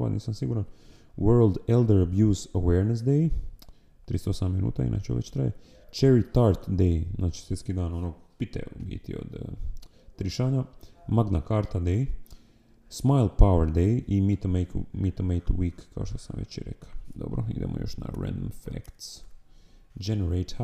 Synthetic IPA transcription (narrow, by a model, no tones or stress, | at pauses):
a̰nḭːsamsiɡuːɾan | wøɾlˠd̪eld̪eɾabjuːzaweːɾnes̬d̪ej | t̪ɾist̪osamminṵːt̪aḭnʔa̰ːt͡ʃeṵʋḛt͡ɕt̪ɾaje | t͡ʃeɾit̪aːɾt̪d̪ejznaːt͡ʃi̥sʋjet̪skid̪aːnonoːɡpit̪ḛubḭːt̪ḭo̰d̪ | t̪ɾiʃaːɲamaɡnakaːɾt̪ad̪ej | smajlˠpaweɾd̪ejʔimit̪omejkmit̪omejt̪wiːkːaoʃt̪osamʋḛt͡ʃiɾḛkḁd̪obɾoḭd̪eːmo̰jo̰ʃna̰ɾɛ̰̃nd̪omfḛkt̪s | d͡ʒeneɾejt̪ʰa